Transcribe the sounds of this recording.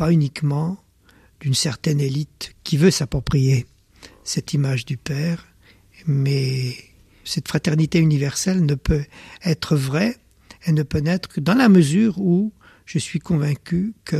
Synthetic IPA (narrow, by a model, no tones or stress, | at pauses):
paynikmɑ̃ | d̪̥ynsɛʁt̪ɛnelit̪kʲivøsapχɔpχije | sɛt̪imaʒd̪ypɛːʁ | mɛ | sɛt̪fχat̪ɛʁnit̪eynivɛʁsɛlnəpøɛt̪χəvʁɛ | enəpønɛt̪χkəd̪ɑ̃laməzyːʁu | ʒəsɥikɔ̃vɛ̃kʲykə